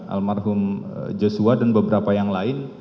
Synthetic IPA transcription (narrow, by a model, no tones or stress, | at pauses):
ʔa̰lmarɦʊmd͡ʒosuadanbəbəɾapajaŋlaɪn